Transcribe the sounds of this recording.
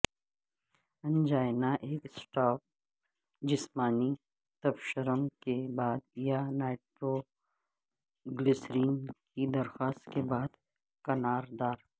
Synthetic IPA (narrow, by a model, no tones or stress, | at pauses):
ɐ̃nd͡ʒaːjnaʔeːksʈaːp̚ | d͡ʒɪsmaːni | t̪ɐfʃəɾəmkebaːd̪janaːʈɾo | ɡlɪsɾiːnkid̪ɐɾxaːst̪kebaːd̪ | kɐnaːɾd̪aːɾ